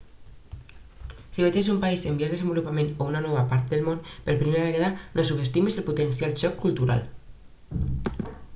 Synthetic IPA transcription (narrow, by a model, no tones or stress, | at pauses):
siβet̪esumpaisembiaɾð̞esembulupamẽnounanɔβapaɾt̪̚d̪elmonpeɾpɾimeɾaβeɣaðanʔosuβest̪imeselput̪ensjalʃɔkʰːult̪uɾa̰l